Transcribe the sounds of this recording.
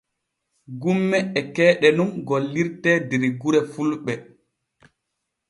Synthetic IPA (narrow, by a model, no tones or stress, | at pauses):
ɡumːɛːkɛːɗɛnumɡolːiɾtɛdiɾiɡuɾɛfulɓɛ